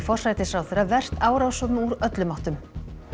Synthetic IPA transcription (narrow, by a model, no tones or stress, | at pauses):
fɔr̥sajt̪ɪsɾawθɛɾːavɛr̥t̪aːwɾawsɔt̪nuɾœt̪lʏmaht̪ʏm